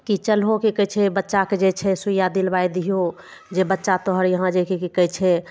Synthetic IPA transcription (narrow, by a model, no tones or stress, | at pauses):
kit͡ʃəlɦokikət͡ʃʰɛbətːʃaked͡ʒet͡ʃʰɛsujad̪ilbajd̪ijo | d͡ʒebətːʃat̪ɔɦəɾjəɦãd͡ʒekikikət͡ʃʰɛ